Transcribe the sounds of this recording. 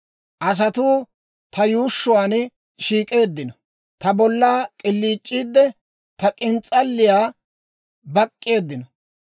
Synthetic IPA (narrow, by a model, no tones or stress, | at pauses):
ʔɐs̬ɐt̪uː | t̪ɐjuːʃːʊwaːn | ʃiːkʼe̞ːd̪ːɪnɔ | t̪ɐbɔlːaːkʼɪlːiːt͡ʃʼːiːd̪ːɛ | t̪ɐkʼɪnt͡sʼɐlːɪjaː | bɐkʼːɪe̞ːd̪ːɪnɔ